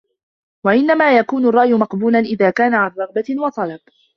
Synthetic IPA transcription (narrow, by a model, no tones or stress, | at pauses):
waʔɪnːamaːjakuːnʊrˤːɑːʔjʊmɑqbuːlanʔɪðaːkaːnaʕanrˤɑɣbawɑt̪ˤɑlɑb̚